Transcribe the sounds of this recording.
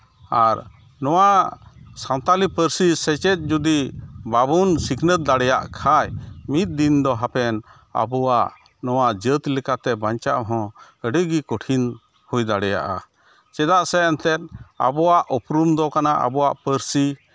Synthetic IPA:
aɾ | nɔwasãnt̪alipəɾsisɛt͡ʃɛt̪̚d͡ʒud̪ibabunsiknət̪̚d̪aɽɛja̰ʔkʰajmit̪̚d̪ind̪ɔɦapɛn | a̰bɔaʔ | nɔwaʔd͡ʒət̪lɛkat̪ɛbaɲt͡ʃaʔɦɔ̃ | əɖəɡikɔʈʰin | hujd̪aɽɛja̰ʔa̰ | t͡ʃɛd̪aʔsɛɛnt̪ɛt̪̚a̰bɔwaʔɔpɾumd̪ɔkanaʔa̰bɔwaʔpəɾsi

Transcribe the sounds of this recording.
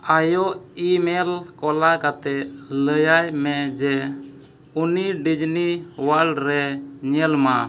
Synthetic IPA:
ajɔʔimɛlkɔlakat̪ɛləjajmɛd͡ʒɛ | uniɖid͡ʒniwalɖɾɛɲɛlma

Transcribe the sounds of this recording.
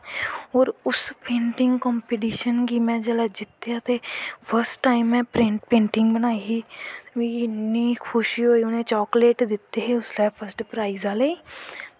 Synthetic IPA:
ɔːɾʊspẽːɳʈɪ̃ŋɡkɔ̃ːmpiʈiːʃənkiːmɛ̃ːd͡ʒəlad͡ʒɪt̪ːjaːt̪epʰəɾsʈʈːaːɪmːɛ̃ːpɾẽːɳʈpẽːɳʈɪ̃ŋɡbənaːiɦiːt̪ĩːnːikʰʊʃiɦoːiːʊnẽːt͡ʃɔːkleːʈd̪ɪt̪ːeɦeʊslepʰəɾsʈpɾaːizaːleiː

